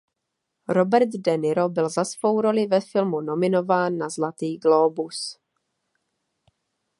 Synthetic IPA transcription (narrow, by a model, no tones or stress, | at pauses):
ɾo̞bɛɾd̪dɛnɪɾo̞bɪlzasvo̞wɾo̞lɪvɛfɪlmuno̞mɪno̞vaːnːazlat̪iːɡlo̞ːbus